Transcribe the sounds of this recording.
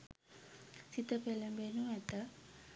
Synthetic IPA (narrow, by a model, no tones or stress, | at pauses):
sit̪əpelɐmbenuɛt̪ə